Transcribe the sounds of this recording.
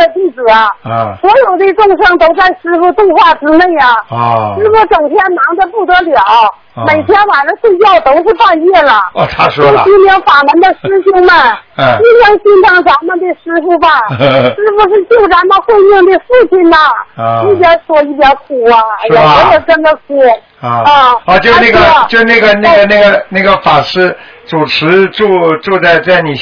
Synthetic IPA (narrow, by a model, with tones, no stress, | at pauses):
d̪ə˧t̪i˥˩ʈ͡ʂɻ̩˨˩ɐ˥swɔ˧˥jo˨˩ʊt̪e˥˧ʈ͡ʂʊ˥˧ŋʂɤ˥˩ŋt̪o˥ʊt͡sa˥˩ɪʂɻ̩˧˥fu˧˥t̪ʊ˥˧ŋxwa˥˩ʈ͡ʂɻ̩˧˥me˥˩ɪɐ˩ʂɻ̩˥pu˧˥ʈ͡ʂɤ˨˩ŋt̪ʰjɛ˥nnɑ˧˥ŋd̪ə˧pu˥˩t̪ɤ˧˥ljɑ˨˩˦ʊ | me˨˩ɪt̪ʰjɛ˥nwa˨˩nʈ͡ʂə˦t͡swe˥˧ɪt͡ɕjɑ˥˩ʊt̪o˥ʊxwe˥˧pa˥˧njɛ˥˩lə˩o˥˩t͡ɕi˥mi˧˥ŋfa˨˩mə˧˥nd̪ə˧ʂɻ̩˥ɕi˥ŋmə˨nt͡ɕi˥mjɛ˧˥ŋɕi˥ntʰɑ˥ŋt͡sa˧˥mə˧nd̪e˧ʂɻ̩˥fu˧˥bɐ˥˧ʂɻ̩˥pu˧˥ʂɻ̩˥˧t͡ɕjo˥˩ʊt͡sa˧˥nmə˧nxwe˥˧ɪmjɛ˥˧nt̪we˧ɪʂ̩˥˧pʰi˥˩nb̪ɐ˧i˥˩p̪̬jɛ˧˥ʂwɔ˥i˥˩t̪jɛ˧˥kʰu˨˩ɐ˧jɔ˨˧˥ə˧˩ʈ͡ʂə˥nd̪ə˨kʰu˧˥˧ | ə˥˧ɔ˧˩t͡ɕjo˥˧ʊ˧na˥˩ɡə˥˧t͡ɕjo˥˧ʊna˥˩ɡə˩na˥˩ɡə˩na˥˩ɡə˩na˥˩ɡə˩fa˨˩ʂɻ̩˥˩ | ʈ͡ʂu˨˩ʈ͡ʂʰɻ̩˧˥ʈ͡ʂu˥˧ʈ͡ʂu˥˧t͡sa˥˧ɪt͡sa˥˩ɪni˨˩